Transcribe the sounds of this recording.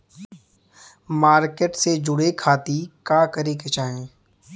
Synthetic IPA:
maːɾkeʈsed͡ʒʊɽekʰaːt̪ikaːkəɾeket͡ʃaːɦẽː

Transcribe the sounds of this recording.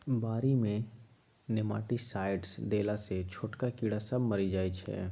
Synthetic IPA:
baːɾimẽ | nɪma̰ːʈisaːɪɖsd̪eːlaset͡ʃʰoːʈkakiːɽasɐbmɐɾid͡ʒaːit͡ʃʰɛ̰ː

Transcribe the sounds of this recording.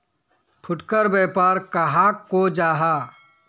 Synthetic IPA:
pʰʊʈkəɾbɛːpaːɾkɐɦakːod͡ʒaːɦaː

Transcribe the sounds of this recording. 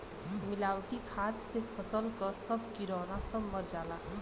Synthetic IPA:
mɪlaːwʈikʰaːt̪sepʰəsəlkəsəbʱkiɾɔːnasəbməɾd͡ʒaːla

